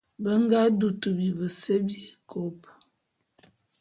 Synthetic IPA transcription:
bə˦ŋ˦ɡa˦du˨tu˨bi˨bə˨se˦bji˦˨kʰo˨˦p

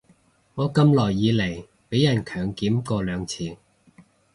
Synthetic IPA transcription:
ŋɔː˨˧kɐ˧mlɔː˨˩jːiː˨˧le˨˩j | pe˨˥jɐ˨˩nkʰœː˨˩ŋkiː˨˥mkɔː˧lœː˨˧ŋt͡sʰiː˨˥

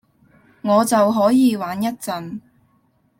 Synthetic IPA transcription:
ŋɔː˨˧t͡sɐ˨wɦɔː˨˥jiː˨˧waː˨˥njɐ˥t̚t͡sɐ˨n

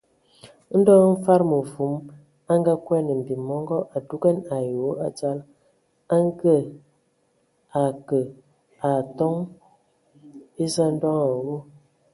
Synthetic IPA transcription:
n̩˦dɔ˦ŋ˦ɱ̩˦fa˦ɾmə˨fu˨˦m | a˦ŋ˦ɡa˦kwɛ˦nə˨m̩˨bi˨mɔ˦ŋɡɔ˦ʔa˨du˦ɡɛ˦na˨jo˨˦a˨d͡ʒa˦l | a˦ŋ˦ɡə˦˨ | a˨kə˨ | a˨tɔ˦ŋ | e˦za˦n̩˦dɔ˦ŋa˨wo˦

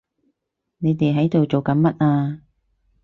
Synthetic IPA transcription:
ne˨˧jt̪e˨jɦɐ˨˥jt̪o˨wt͡so˨wkɐ˨˥nmɐ˦˥t̚ʔaː˧

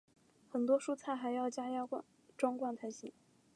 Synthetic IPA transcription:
xə˨˩nt̪wɔ˥ʂu˥˧t͡sʰa˥˩ɪxa˧˥ɪjɑ˥˩ʊt͡ɕja˥ja˥a˥˧ | ʈ͡ʂwɑ˥ŋkwa˥˩nt̪ʰa˧˥ɪɕi˨˩˦

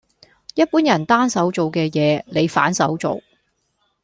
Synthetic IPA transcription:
jɐ˥t̚puː˨˥njɐ˨˩nt̪aː˥nsɐ˨˥wt͡so˨wkɛː˧jɛː˨˧le˨˧jfa̰ː˨˥nsɐ˨˥wt͡so̰˨w

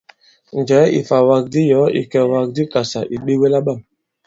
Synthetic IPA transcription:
n˨d͡ʒɛ˨˦ḭ˨fa˨wa˨k̚di˦jɔ˨˦ḭ˨kɛ˨wa˨k̚di˦ka˨sa˨ʔi˨ɓi˦we˦la˦ɓa˦˨m

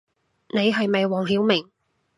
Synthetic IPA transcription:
ne˨˧jɦɵ˨˧ɥmɐ˨jwɔː˨˩ŋɦiː˨˥wmɪ˨˩ŋ

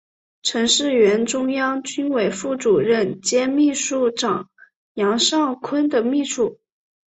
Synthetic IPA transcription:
ʈ͡ʂʰɤ˧˥ŋʂɻ̩˥˩ɥɛ˧˥nʈ͡ʂʊ˥ŋjɑ˥ŋt͡ɕy˥nwe˨˩ɪfu˥˩ʈ͡ʂu˨˩ɻə˥˩nt͡ɕjɛ˥nmi˥˧ʂu˥˩ʈ͡ʂɑ˨˩˦ŋ | jɑ˧˥ŋʂɑ˥˩ŋkʰwə˥nd̪ə˨mi˥˧ʂʰu˥˩

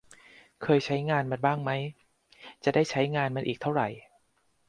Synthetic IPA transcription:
kʰɤː˧jt͡ɕʰa˦˥jŋaː˧nmaː˨˩baː˥˩ŋma˦˥j | t͡ɕa˨˩daː˥˩jt͡ɕʰa˦˥jŋaː˧nma˧nʔiː˨˩k̚t̪ʰa˥˩wɾa˨˩j

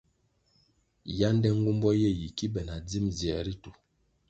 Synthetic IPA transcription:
ja˦n˦dɛ˦ŋ̩˦ɡu˦mbɔ˦je˦˨ji˨ki˦bɛ˨na˨d͡zi˦mzjɛ˨ɾi˦tu˨

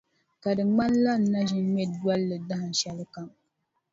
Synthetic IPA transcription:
ka˨dɨ˨ŋ͡ma˦nla˦n̩˨˦na˦ʒɪ˦n˦mɛ˦du˦ɔ˦lːɨ˨da˦hɨ˨n˨ʃɛ˦lɨ˦ka˦m

